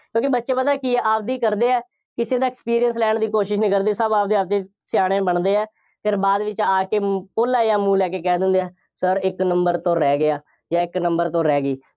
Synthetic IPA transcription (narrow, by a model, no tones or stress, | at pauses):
kjõːkɪbətːʃeːpəaːkɪeʔaːb̚d̪iːkəɾd̪eːɛː | kɪseːd̪aːɪkspiːɾijənslɛːɳd̪iːkoːʃɪʃnĩːkəɾd̪eːsəbaːbd̪iːaːbt͡ʃeː | sɪjaːɽ̃eːbəɳd̪eːɛː | pʰɪɾbaːd̪ʋɪt͡ʃaːkeːpoːlaːeaːmũːlɛːkeːkɛːd̪ɪ̃nd̪eɛː | səɾɪknəmbəɾt̪õːɾɛːɡɪaː | jãːɪknəmbəɾt̪õːɾɛːɡiː